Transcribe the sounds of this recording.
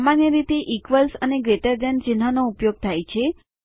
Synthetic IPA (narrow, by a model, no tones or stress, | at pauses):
amanjəɾit̪eʔikʋəlsəneɡɾeʈəɾd̪ənt͡ʃinɦanoupjoɡ̚t̪ʰajt͡ʃʰe